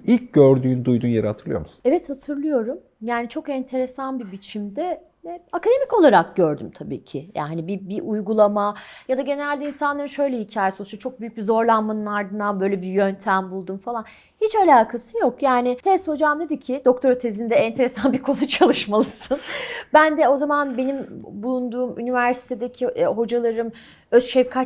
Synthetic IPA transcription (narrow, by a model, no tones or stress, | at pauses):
ilʲc̚ɟøɾd̪yːnd̪ujd̪uːnjeɾat̪ʰɯɾlɯjo̞̰ɾmu̥su̥nɛvɛt̪hat̪ʰɯɾlˠɯjo̞ɾum | jaːnit͡ʃʰo̞kɛnt̪ʰe̞ɾesanbibit͡ʃʰimd̪ɛ | vɛakad̪e̞mico̞lˠaɾak̚ɟøɾd̪ymt̪ʰabḭːcʰɪja̰ːɦanibibiʔujɡulˠamajad̪aɟe̞neɾælʲd̪ɛinsanˠaɾɯnʃø̞jlʲɛhicʰaːjɛsouʃt̪at͡ʃʰo̞k̚byjyc̚bizo̞ɾlˠanmanɯnaɾd̪ɯnd̪anbøjlʲebijønt̪ʰæmbulˠd̪umfalˠan | hit͡ʃalʲaːkʰasɯjokjaːnɪt̪ʰɛst̪ho̞d͡ʒamd̪ed̪icʰid̪ok̚t̪ʰo̞ɾot̪ʰezind̪ɛɛnt̪ʰe̞ɾesanbiɾkʰo̞nut͡ʃʰalˠɯʃmalˠɯsɯnbænd̪ɛo̞zamanbe̞nimbulˠund̪uːmy̰nivæɾsi̥t̪ʰe̞d̪ecʰiʔɦo̞d͡ʒalˠaɾɯm | øzʃɛvkʰa